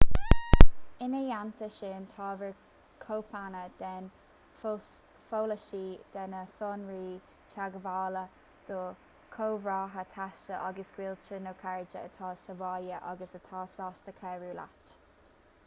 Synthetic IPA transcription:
ɪnəjant̪ʰəʃeːnt̪ʰɑːvəɹ | kʰowpʰanəd̪̥ɛn | foːləʃiːd̪̥ɛnəsɔːnɹiː | t͡ʃʰaɡəvaːlə | d̪̥oː | kʰoːvɹɑːɦət̪ʰaʃəʔɑɡəsɡ̥wiːlt͡ʃənowkʰaɹɪd͡ʒəət̪ʰɑːsəvɑːjəʔɑ̰ɡəsət̪ʰɑːsɑːstəkʰɛːɹuːla̰t

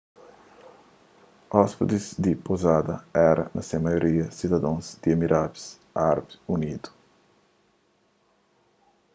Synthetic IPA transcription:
ɔspid̪izd̪ipozad̪ɐɛɾɐ̰nɐsemajoɾiɐsid̪ɐd̪ãzd̪iemiɾʔabi̥s | aɾbunid̪u̥

